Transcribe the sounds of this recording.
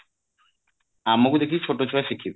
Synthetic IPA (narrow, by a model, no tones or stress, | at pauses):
amːokud̪ekʰit͡ɕʰoʈːot͡ɕʰoaeʃikʰːibe